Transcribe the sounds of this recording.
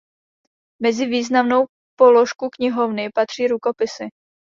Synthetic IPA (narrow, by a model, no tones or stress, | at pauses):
mɛzɪviːznamno̞w | poloʃkukɲɪɦovnɪpat̪r̝̥iːɾukopɪsɪ